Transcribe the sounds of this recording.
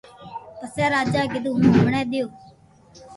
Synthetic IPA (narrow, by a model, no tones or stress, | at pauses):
p̪əsɛːɾaːd͡ʒaːɡɪd̪uːɦũːɳɛːɗ̪ɪjoː